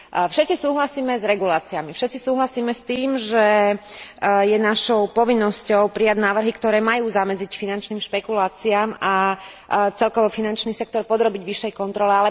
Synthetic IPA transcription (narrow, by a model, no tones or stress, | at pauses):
fʃɛt̪t͡sisuːɦlasiːmɛzɾɛɡulaːt͡siamifʃɛt̪t͡sisuːɦlasiːmɛst̪iːmʒɛ | jɛnaʃɔʊpɔʋinːɔscɔʊpɾijaɟnaːʋr̩ɦikt̪ɔɾɛːmajuːzamɛd͡zicfinant͡ʃniːmʃpɛkulaːt͡siaːma | t͡sɛlkɔʋɔfinant͡ʃniːsɛk̚t̪ɔɾpɔd̪ɾɔbiɟʋiʃːɛjkɔnt̪ɾɔlɛalɛ